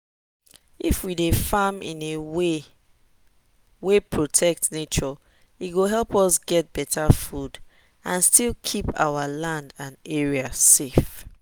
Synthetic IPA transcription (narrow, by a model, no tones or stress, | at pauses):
ifwidefamḭ̃newe | wepʰɹotʰɛk̚tnet͡ʃɔ | itɡoɦɛlpɔsɡɛt̚b̥ɛtʰafud | ãnstilˠkʰipa̰walãndãnɛɹiasef